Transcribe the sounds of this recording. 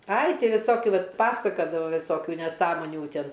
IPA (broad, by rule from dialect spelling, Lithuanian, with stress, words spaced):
ɐɪ ˈtʲɪ ʋʲɪˈsoːkʲʊ ˈʋɐt ˈpɑːsɐkɐdɐʋɐ ʋʲɪˈsoːkʲʊ nʲɛˈsɑːmoːnʲuː ˈtʲɪn